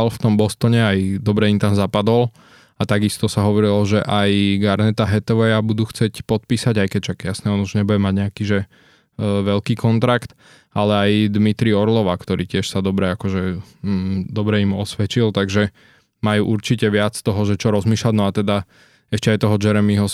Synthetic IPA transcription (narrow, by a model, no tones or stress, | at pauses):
alft̪ɔmbɔst̪ɔɲɛajd̪ɔbɾɛimt̪amzapad̪ɔl | at̪aɡist̪ɔsaɦɔʋɔɾilɔʒɛʔajɡaɾnɛt̪aɦɛt̪ɛʋɛjabud̪uːxt͡sɪɛcpɔt̪̚piːsaɟajkɛcʃakjasnɛːɔnuʒɲɛbuɟɛmaɟɲɛakiːʒɛ | ʋɛlkiːkʰɔnt̪ɾakt̪ | alɛajd̪mit̪ɾiɔɾlɔʋakt̪ɔɾiːcɪɛʃsad̪ɔbɾɛakɔʒɛ | d̪ɔbɾɛimɔsʋɛt͡ʃilˠt̪aɡʒɛ | majuːʔuɾt͡ʃicɛʋɪat͡st̪ɔɦɔʒɛt͡ʃɔɾɔzmiːʃlaɟnɔat̪ɛd̪a | ɛʃcɛajt̪ɔɦɔd͡ʒɛɾɛmiɦɔ